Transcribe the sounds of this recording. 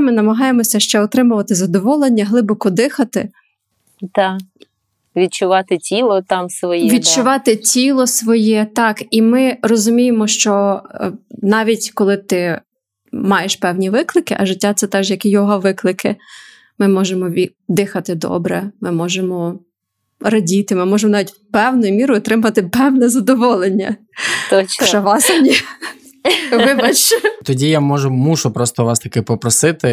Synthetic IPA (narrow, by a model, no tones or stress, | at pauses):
mɪnɐmɐɦɑjemɔsʲɐʃt͡ʃɛɔt̪ɾɪmʊʋɐt̪ɪzɐd̪ɔʋɔlˠenʲːɐɦlˠɪbɔkɔd̪ɪxɐt̪ɪ̰ | t̪ɑ | ʋʲid̪̚t͡ʃʊʋɑt̪ɪtʲilˠɔt̪ɑmsʋɔjɛʋʲid̪̚t͡ʃʊʋɑt̪ɪtʲilˠɔsʋɔjɛt̪ɑkimɪrɔzʊmʲijemɔʃt͡ʃɔ | nɑʋʲitʲkɔlˠɪt̪ɪ | mɑjeʃpɛwnʲiʋɪklˠɪkɪʔɐʒɪtʲːat̪sɛt̪ɛʒjɐkijɔɦɐʋɪklˠɪkʰɪ̰ | mɪmɔʒemɔ | d̪ɪxɐt̪ɪd̪ɔ̰bɾɛmɪmɔʒemɔ | rɐdʲit̪ɪmɪmɔʒemɔnɑːʋʲitʲpɛwnʊjʊmʲiɾʊɔt̪ɾɪmɐɐt̪ɪpɛwnɛzɐd̪ɔʋɔlˠenʲːɐ̰ | t̪t͡ʃɔʋɑsɐmnʲi | ʋɪbɐt͡ʃɛt̪ɔdʲijamɔʒʊmuʃʊpɾɔst̪ɔʋɑst̪ɐkɪpɔpɾɔsɪt̪ɪ